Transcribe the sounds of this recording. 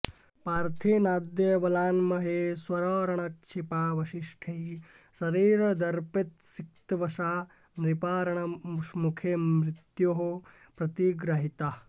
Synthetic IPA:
paːɾt̪ʰiːnaːd̪jɐʋɐlaːnmɐɦeːswɐɾɔːɾɐɳɐkʂipaːʋɐʃiʂʈʰɐɦisɐɾiːɾɐd̪ɐɾpit̪sik̚t̪ʋɐʃaː | nɾipaːɾɐɳ̃ɐʂmukʰemɾɪt̪joɦo | pɾɐt̪iɡɾɐɦit̪a

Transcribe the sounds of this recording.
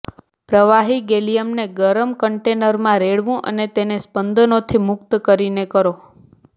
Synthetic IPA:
pɾəʋaɦiɡelijəmneɡəɾəmkəɳʈenəɾmãɾeɭʋũʔə̰net̪enespənd̪ənot̪ʰimʊk̚t̪kəɾinekəɾo

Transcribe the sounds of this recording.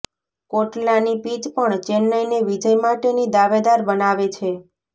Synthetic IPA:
koʈlanipit͡ʃpəɳt͡ʃenːəjneʋid͡ʒəjmaʈenid̪aʋed̪aɾbənaʋet͡ʃʰe

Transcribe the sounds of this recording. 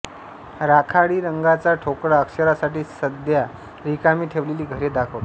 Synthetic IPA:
ɾakʰaɽiːɾəŋɡat͡saʈʰokɽaəkɕəɾasaʈiːsəd̪ja | ɾikamiːʈʰeʋleliːɡʱəɾed̪akʰəʋt̪

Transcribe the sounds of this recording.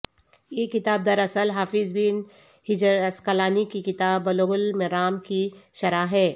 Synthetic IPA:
jeːkɪt̪aːb̚d̪ɐɾɐsəlɦaːfɪzbiːn | hɪd͡ʒɾɐskɐlaːnikikɪt̪aːbːɐloɣʊlmɪɾaːmkiʃɐɾaːɦɛː

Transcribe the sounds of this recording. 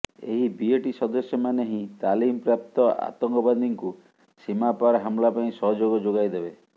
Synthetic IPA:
ḛɦibieʈisɔd̪ɔsjɔmaneɦĩt̪alimɔpɾap̚t̪ɔa̰t̪ɔŋkɔband̪iŋku | simapaɾɦamlapaĩsɔɦɔd͡ʒoɡɔd͡ʒoɡajd̪ebe

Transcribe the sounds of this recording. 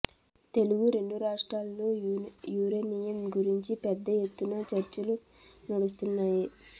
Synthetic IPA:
t̪e̞luɡuɾe̞ɳɖuɾaːʂʈɾaːlːoːjuːɾenijɐmɡuɾiɲt͡ʃipɛd̪ːɐje̞t̪ːunɐt͡ʃɐɾt͡ʃɐlunɐɽus̬t̪unːaːji

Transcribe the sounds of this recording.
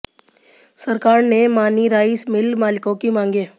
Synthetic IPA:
səɾkaːɾnemaːniɾaːɪsmɪlmaːlɪkõkimãːŋɡeː

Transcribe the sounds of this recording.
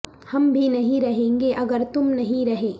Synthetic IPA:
hɐmbʱinɐɦĩɾɐɦẽːŋɡeʔɐɡəɾt̪ʊmnɐɦĩɾɐɦeː

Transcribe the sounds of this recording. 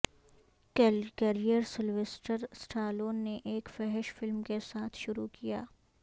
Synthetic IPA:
kkɛɾijəɾsɪlʋesʈəɾsʈʰaːloːnːeʔeːkfɛɦɪʃfɪlmkesaːt̪ʰʃʊɾukija̰ː

